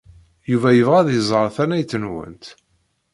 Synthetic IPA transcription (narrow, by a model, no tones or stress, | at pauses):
juvæjəvʁæðjəzˤəɾˤθænæjt͡sːənwə̰nt̪